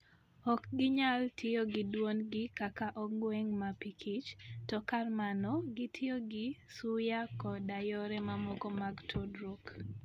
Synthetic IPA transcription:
ɔkɡɪɲaltʰɪɔɡɪdwonɡɪkakaʔɔŋɡweŋmapikʰit͡ʃtɔkarmanɔɡɪtʰɪoɡɪsujakɔdajɔɾɛmamɔkɔmaɡtʰodɾok

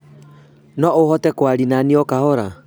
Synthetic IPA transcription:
nɔohɔtɛkwaɾinaniɔkahɔɾa

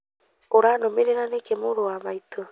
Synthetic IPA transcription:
oɾaːnomeɾeɾanekemoɾowaβaitʰo

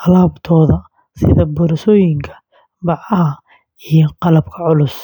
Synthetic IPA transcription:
ʔɑlaːbt̪ʰɔːðɐ | sɪ̰ðɐbʊɾʃɔːjɪŋkʰɐ̥ | bɑʕɐɦɐ | ijɔqɑlɐbkʰɐʕʊlʊs

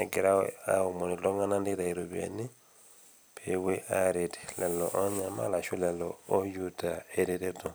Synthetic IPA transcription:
nekeɾaaomonitɔŋɡanandiðaiɾoβḛni | pʰeweʔaɾeti̥lɛlɔʔɔɲama̰laʃulɛlɔːjutaeɾeɾeto

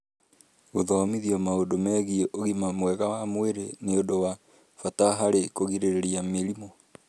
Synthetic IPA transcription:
ɣoðɔmiðiɔmaodomɛɣieʔoɣimamwɛɣawamweɾeneodowa | fataɦaɾekoɣiɾeɾeɾiameɾimɔ

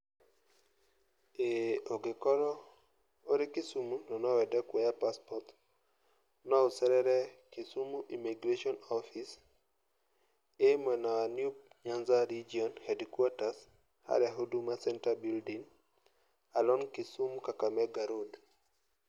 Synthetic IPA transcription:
eoɡɪkɔɾɔ | oɾɪkɪsumunɔnɔwɛdɛkwɔjapaspɔt | nɔosɛɾɛɾɛkɪsumuʔimiɡɾeʃiɔnɔfis | emwɛnaanjup̚ | ɲanzaɾid͡ʒiɔnhɛdkwatas | ha̰ɾaɦodumasɛntabildiŋ | alɔnkɪsumkakamɛɡaɾod

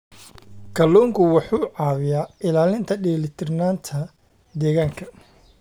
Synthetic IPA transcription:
kʰɐlɔːŋkʰʊwɑħuːʕɑːβɪjaːɪlaːlɪnt̪ʰɐɖɛːlɪt̪ʰɪrnaːnt̪ʰɐ | d̪ɛːɣaːŋkʰɐ

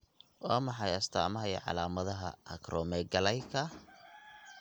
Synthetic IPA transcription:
wɑːmɑħɑjɐst̪ʰa̰ːmɐɦɐjʕɑ̰laːmɐðɐɦɐ̰ʔɐ̰kʰrʔɔːmɛːɡɐlɛjkʰɐ

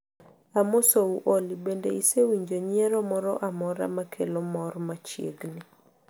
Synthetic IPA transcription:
amosouʔolibendeisewiɲd͡ʒoɲɛɾɔmɔɾɔʔamɔɾa̰makʰelɔmɔrmat͡ʃjḛɡnɪ

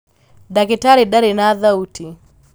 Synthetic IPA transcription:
dakitaɾiɗaɾɛnaðauti

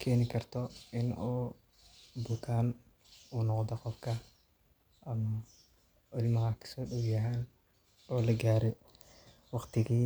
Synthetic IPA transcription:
kʰɛːnɪkʰɐrt̪ʰɔɪnuː | bʊlt̪ʰaːn | uːnɔqd̪ɔqɔfkʰɐ | ʔɐmɐ | ɪlmɐɦɐkʰɐ̥sɔːɗɔwjɐɦaːn | ʔɔːlɐɡaːɾɛ | wɑqt̪ʰɪɣiː

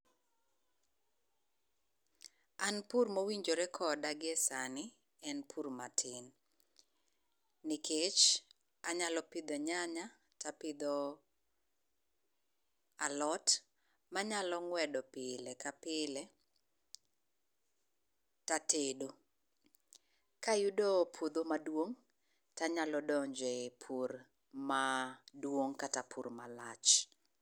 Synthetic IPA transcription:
anpurmowiɲd͡ʒoɾɛkʰɔdaɡɛsanɪ | ɛnpʰuɾmatʰɪn | ɪkʰet͡ʃ | aɲalɔpɪd̪ɔɲaɲa | tapɪd̪ɔ | alɔt | maɲalɔŋwɛdɔpɪlɛkapɪlɛ | tatedo | kajudɔpʰwod̪omadwoŋ | taɲalɔdɔɲd͡ʒɛpʰur | madwoŋkatapʰṵrmalat͡ʃ

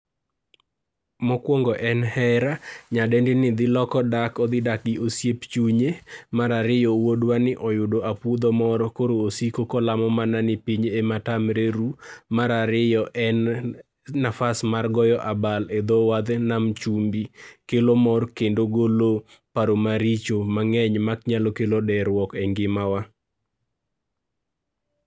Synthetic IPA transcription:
mɔkwɔŋɡɔʔɛnhɛɾaɲadɛndɪnɪd̪ɪlɔkɔdakɔd̪ɪdak̚ɪosjept͡ʃuɲemaɾaɾɪjɔwodwanɪʔɔjʊdoʔapud̪ɔmɔɾɔkoɾoːsikokɔlamɔmananɪpiɲematamɾeɾumaɾaɾɪjɔʔɛnː | afasmarɡɔjɔʔabaled̪ɔwad̪namt͡ʃumbikelomɔrkendoɡolo | paɾomaɾit͡ʃomaŋɛɲmakɲalɔkelodɛɾwɔkɛŋɡɪmawa

